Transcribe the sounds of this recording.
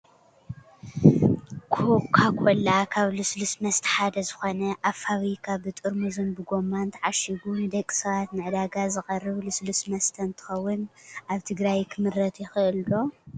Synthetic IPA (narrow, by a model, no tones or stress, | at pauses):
kʰokʰːakʰolakʰaβlɨslusmɐst̪ʰħad̪ɐzɨxo̞nɐʔaβfaβikʰabɨt̪ʼɨɾmuzɨnbɨɡo̞mːant̪ʰʕaʃiɡunɨd̪ɐkʼːi̥sɐβat̪nɨʕɨd̪aɡazɨxʼɐrːɨβlɨslusmɐst̪ʰɐnt̪ʰɨ̥xɐwːʊnʔaβt̪ʰɨɡɾajkʰɨmɨɾːɐt̪jɪxɨʔɨlbo̞